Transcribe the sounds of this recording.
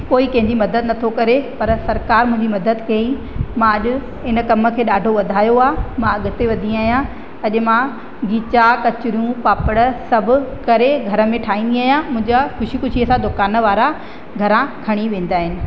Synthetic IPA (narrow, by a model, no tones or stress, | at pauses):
poːikɐ̃ɦɪ̃ɲd͡ʑimɐd̪əd̪nɐt̪ʰokɐɾepɐɾsɐɾkaːɾmʊ̃ɦɪ̃ɲd͡ʑimɐd̪əd̪kɐi | mãɐʄʊ̆ | ɪnə̆kɐmə̆kʰeːɗaːɖʱoʋɐd̪ʱaːjoaːmãɐɠʊt̪eʋɐd̪ʱĩaːɦjã | ɐʄʊ̆mã | ɡiːt͡ɕakɐt͡ɕʊɾjũpaːpəɽəsɐbʱʊ̆kɐɾeɡʱɐɾə̆mẽʈʰaːĩːnd̪iaːɦjãmʊ̃ɦɪ̃ɲd͡ʑaxʊʃikʊʃiəsãd̪okaːnəʋaːɾa | ɡʱɐɾãkʰɐɽ̃iʋẽːn̆d̪aːɦɪnɪ̆